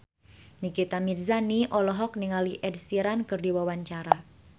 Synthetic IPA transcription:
nikit̪amirzaniʔɔlɔɦɔk̚niŋaliʔɛd̚siɾankɨrdiwawaɲt͡ʃaɾa

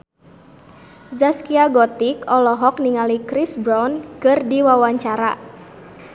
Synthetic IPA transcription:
zaskiaɡɔt̪ikɔlɔɦɔkniŋalikɾisbɾɔnkɨrdiwawaɲt͡ʃaɾa

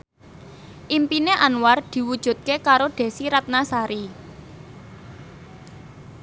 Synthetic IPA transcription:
ʔimpineʔanward̪̥i̤wud̥ʒ̥ṳt̪̚kekaɾoɖ̪̥e̤siɾat̪̚nasaɾi

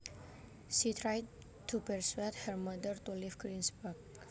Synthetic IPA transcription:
ʃit̪ʰɾajd̚ | t̪ʰupəɹswet̪həɾmʌd̪əɾt̪ulivɡɾĩnsbəɾɡ

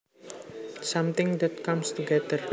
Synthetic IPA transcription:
sʌmt̪ɪ̃ŋd̪ɛt̚kamst̪uɡɛd̪ər

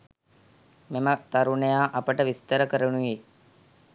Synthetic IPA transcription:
memət̪aɾuɳəjaːʔɐpəʈəʋist̪əɾəkəɾənuʋeː

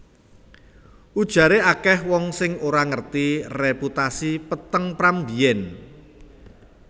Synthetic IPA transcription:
ʔud̥ʒ̥ä̤ɾeakɛhwɔŋsɪŋoɾaŋərt̪ireput̪asipət̪əŋpɾambijɛn

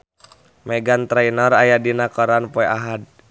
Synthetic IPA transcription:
mɛɡant̪ɾainɔɾajadinakɔɾanpɔɛʔaɦad̚

